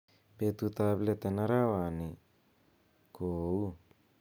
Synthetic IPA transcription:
pet̪ut̪aβlet̪enaɾawani | kou

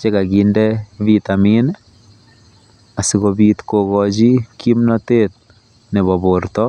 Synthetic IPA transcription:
t͡ʃekaɡindɛβit̪amin | asikoβitkokɔt͡ʃikʰimnɔtet̚ | neβɔβoɾtɔ

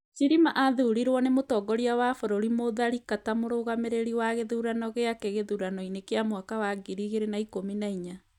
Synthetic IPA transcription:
t͡ʃiɾimaʔaðuuɾiɾwɔnemotɔɡɔɾiawafoɾoɾimoðaɾikatamoɾoɣameɾeɾiwaɣeðuɾanɔɣeakɛɣeðuɾanɔinekeamwakawaɡiɾiɣeɾenaikominaiɲa

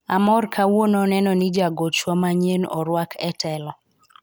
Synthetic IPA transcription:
amɔrkʰawonɔnɛnɔnɪd͡ʒaɡot͡ʃwamaɲenɔ̰ɾwakʰɛtɛlɔ

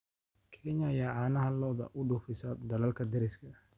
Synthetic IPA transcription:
kʰɛɲɐjaːʕɑːnɐɦɐlɔːðɐ̰ʔʊɖʊfɪsɐd̪ɐlɐlkʰɐd̪ɛɾɪskʰɐ

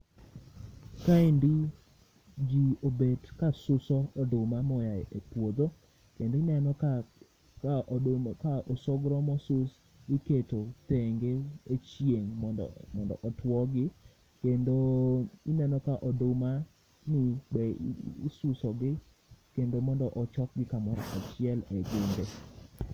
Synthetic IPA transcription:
kaendi | d͡ʒiobedkasʊsɔɔdʊmamɔjaepwod̪o | kendoɪnɛnɔka | kaʔɔsɔɡɾɔmɔsʊs | ɡɪketot̪eŋɡeet͡ʃjeŋ̰mɔndɔ̰ʔɔtwɔɡɪ | kendoɪnɛnɔkaʔɔdʊma | nɪbɛːsʊsɔɡɪ | kendomɔndɔʔɔt͡ʃɔk̚ɡɪkamɔɾɔ̰ʔat͡ʃɪɛleɡɪnde

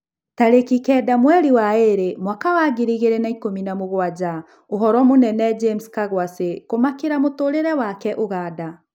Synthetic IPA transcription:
taɾekikɛdamwɛɾiwaeɾemwakawaɡiɾiɣeɾenaikominamoɣwad͡ʒa | oɦɔɾɔmonɛnɛd͡ʒemskaɣwasekomakeɾamotoɾeɾɛwakɛʔoɣaːda

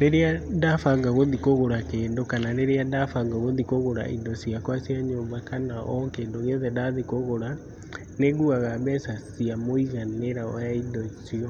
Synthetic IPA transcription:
neɾeandafaŋɡaɣoðikoɣoɾakeːndokananeɾeandafaŋɡaɣoðikoɣoɾa̰ʔḭndɔsiakwasiaɲoːmbakanaʔɔŋkeːndoɣeðɛndaðikoɣoɾa | neɣuaɣaβɛsasiamoiɣaneɾaɔjaindɔsiɔ

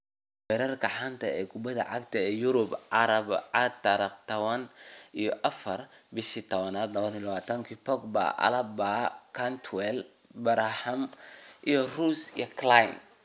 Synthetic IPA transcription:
wɛɾɐrkʰɐħant̪ʰɐɛːkʰʊbɐðɐ̰ʕɑɡt̪ʰɐɛːjʊɾʊbɑɾɐbʕɑt̪ːɐɾɐqt̪ʰɐβɐnʔijɔʔɐfɐr | bɪʃit̪ʰɔβɐnaːd̪lɐβɐnilɐβaːt̪ʰɐŋkʰiːpʰɔɡba̰ʔɐ̰lɐbakʰant̪ʰwɛl | bɐɾahɐmʔijɔruːsijɔkʰlajm

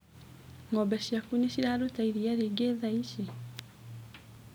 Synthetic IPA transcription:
ŋɔbɛɕiakuɲiɕiɾaɾotaiɾiaɾeɡeðaiʃi

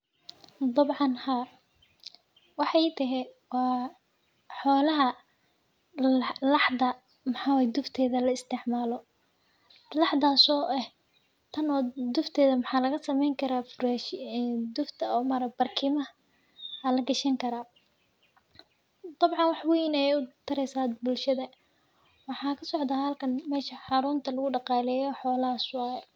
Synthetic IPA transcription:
d̪ɑbʕɑnhaː | wɑħɑjt̪ʰɐɦɛ | wɑː | ħɔːlɐɦɐ | lɑħdɐ | mħaːwaːjd̪ʊft̪ʰɛːðɐlɐɪst̪ʰɪʕmaːlɔ | lɑħd̪aːsɔːʔɛ | t̪ʰɐnɔːd̪ʊft̪ʰɛːðɐmɑħɑːlɐɣɐsɐmɛjŋkʰɐɾaːfʊɾɛːʃɛd̪ʊft̪ʰɐɔːmaːɾɐkb̥ɐrkʰiːmɐ | ɐlɐɡɐʃɐŋkʰɐɾaː | d̪̥ɑbʕɑnwɑħwɛjnɐjɛʊt̪ʰɐɾɛjsaːbʊlʃɐðɐ | wɑħɑːkʰɐsɔʕd̪aːhɐlkʰɐnmɛːʃɐħɑɾuːnt̪ʰɐlɐɣʊɖɑqɑːlɛːjɔħɔːlɐɦɐswɑːɛ

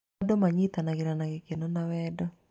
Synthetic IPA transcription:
dɔmaɲit̪anaɡɪɾanaɡɪkenɔnawɛdɔ

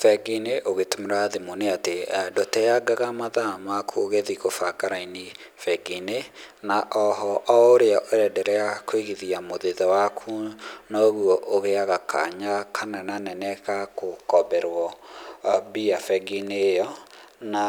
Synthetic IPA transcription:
fɛɡineʔoɣetomeɾaðemoneatedɔtɛjaɡaɣamaðamakʰuoɣeðiɣofakaɾaini | fɛɡinenaʔɔɦɔʔɔoɾeaʔoɾɛdɛɾɛakoeɣiðiamoðeðɔwakʰunɔoɣuɔʔoɣeaɣakʰa̰ɲakʰanananɛnɛkakokɔbɛɾwɔ | biafɛɡinejɔ | na

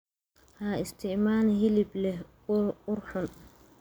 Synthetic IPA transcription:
haːɪst̪ʰɪʔmaːnɦɪlɪblɛh | ʊɾħʊn

